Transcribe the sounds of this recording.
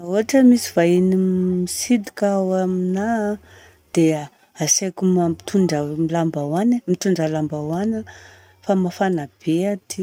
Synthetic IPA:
aoaʈ͡ʂəmisivainimisid̪ikwamina | d̪̥e | asekumat̪ʰuɳɖ͡ʐəmilambawanamit̪uɳɖ͡ʐalambawanə | famafanab̥eat̪ʰi

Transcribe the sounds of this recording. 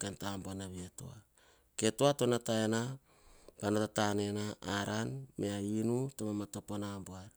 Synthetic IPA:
kentamboanaβieto̰a̰ | ke̞toato̞nataena | panotatane̞naaɾanme̞ainutomamatoponamboaɾ

